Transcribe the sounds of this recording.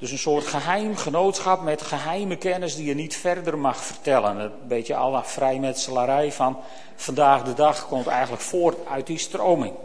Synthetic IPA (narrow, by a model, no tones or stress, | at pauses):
d̥øsənsoːrtxəɦɛjmχənoːtsxɑpmɛtxəɦɛjməkɛnəsdijənitfɛrdərmɑxfərtɛlˠənətbetjəɑ̰lˠfrɛjmɛtsəlˠaɾɛjfɑn | fandaːxdədɑxkɔmtɛjɣən̩ləkfoərtœɥt̚distrowmɪŋ